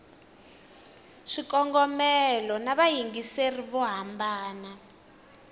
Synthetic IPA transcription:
ʂikɔŋɡɔmɛlɔnaβajiŋɡiseriβɔɦambaːna

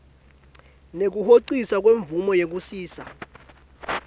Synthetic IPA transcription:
nek̬uhoǀisak̬ʼweɱvumɔjek̬usiːsa̰

